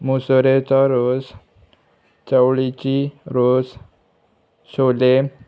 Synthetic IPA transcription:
musɾet͡saɾos | t͡ɕəwɭit͡ɕiɾos | ɕole

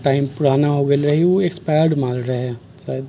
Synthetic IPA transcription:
ʈaːɪmpʊɽ̤aːnaɦoɡelɾɐɦiʋoekspaɾɽmaːlɾɐɦɛ | saːjd̪

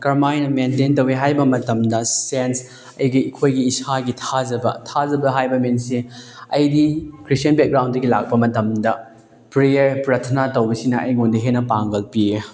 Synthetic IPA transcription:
kɐɾmajnɐmententɐweɦajbɐmɐtɐmdɐsens | ɐjɡiikʰojɡiːsaɡitʰad͡ʒɐbɐtʰazɐbɐɦajbɐmensiɐjdikɾistjɐnbeɡɾaw̃ndɐɡilak̚pɐmɐtɐmdɐ | pɾejɐɾpɾɐtʰɐnatɐwbɐsinɐʔɐ̰jŋondɐɦenɐpaŋɡɐlpie

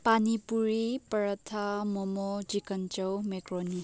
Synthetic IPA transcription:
panipuɾipɾʌt̪ʰamomɔd͡ʒikʌnt͡ʃɔwmekroni

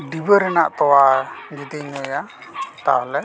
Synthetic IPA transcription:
ɖibəɾɛna̰ʔt̪ɔwad͡ʒid̪iɲɔja | t̪a̰ɦlɛ

